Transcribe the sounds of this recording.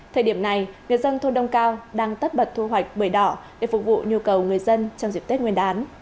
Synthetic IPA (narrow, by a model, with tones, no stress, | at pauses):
t̪ʰəː˨˩jɗi˧˩əmna˨˩jŋɨ˨˩əjzə˧nt̪ʰo˧nɗə˧wŋ͡mkaː˧wɗaː˧ŋt̪ə˦˥t̚ɓə˨˩t̚t̪ʰu˧ɦwa˨˩jk̟̚ɓəː˧˩jɗɔ˧˩ɗe˧˩fʊ˨˩k̚vṵ˧˨ɲu˧kə˨˩wŋɨ˨˩əjzə˧nt͡ɕɔ˧wŋ͡mzi˨˩t̪i˦˥t̚ŋwi˧ənʔaː˨˦n